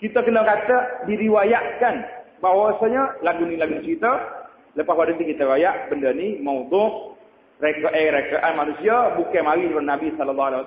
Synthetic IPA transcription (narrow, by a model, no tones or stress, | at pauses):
kit̪əkənəkat̪ədiɾiwajaʔkanbawasaɲəlaɡunilaɡunt͡ʃit̪ə | ləpawadət̪ikit̪əiwajaʔbəndənimaud̪ʊʔ | rekəʔɛɾekəʔamanusiabukɛmaɾiɾʊnabisɔləlːahalɛwa